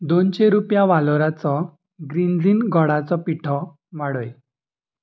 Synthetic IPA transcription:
d̪onɕeɾupjaʋalɔɾat͡sɔ | ɡɾind͡zinɡʱɔɽat͡sɔpiʈʰɔ | maɽoj

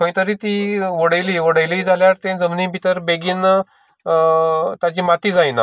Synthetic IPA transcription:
kə̃j̃t̪əɾiːt̪iʋəɽəjliːʋəɽəjliid͡zʱaljaɾt̪ẽd͡zəmniːbʱit̪əɾbeɡiːn | t̪at͡ɕiːmat̪iːd͡zajna̰

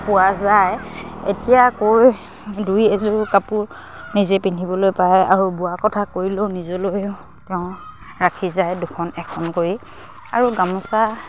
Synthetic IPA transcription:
pʊwazajḛtijakoɹ | dujezʊɹkapuɹ | nizɛpintʰibɔlojpaja̰ɹubʊakɔtʰakoɹilonizɔlojʊ | tɛʊ̃ | ɹakʰizajdukʰɔnɛkʰɔnkoɹi | aɹuɡamɔsa

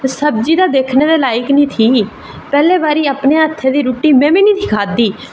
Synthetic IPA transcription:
səbd͡ʒiːd̪aːd̪eːkʰneːd̪eːlaːɪknĩːt̪ʰiː | pɛːleːbaːɾiːaːpneːət̪ʰːeːd̪iːɾuːʈiːmɛ̃ːmĩːnĩːt̪ʰɪ̥kʰaːd̪iː

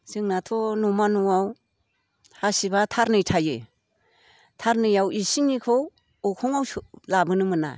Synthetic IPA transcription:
zɯŋnatʰɔnumanuaw | hasibatʰaɾnɯjtʰajḛ | tʰaɾnɯjawisiŋnikʰow | ɔkʰɔŋawlabɯnɯmɯna̰

